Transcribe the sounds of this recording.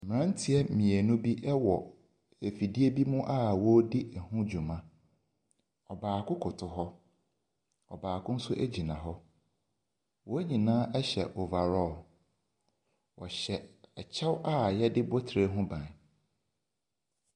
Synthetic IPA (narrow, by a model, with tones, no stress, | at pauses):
m˨ã˦n̩˦tʰi˦ɛ˦mĩ˨e˨nũ˦bi˦ʔɛ˦wɔ˨ | e˨fi˨di˦e˦bi˦mũ˦ʔa˦wɔ˦di˦ɛ˨hʊ̃˦d͡ʑᶣu˨mã˦ | ɔ˨baː˨kʰʊ̃˦kʰʊ˨tʰʊ˨ɦɔ˦ | ɔ˨baː˨kʰʊ̃˦n̩˦sʊ˦ʔe˦d͡ʑĩ˨nã˨ɦɔ˦ | wɔ˦ɲĩ˨nãː˦ɛ˦ɕɛ̰˨ʔo˨va˨ɾɔː˦˨ | wʔɔ̰˨ɕɛ˨ɛ˨t͡ɕʰɛ˦wa˦jɛ˦dɪ˦bɔ˦tʰɾe˦ɦʊ̃˦bã˨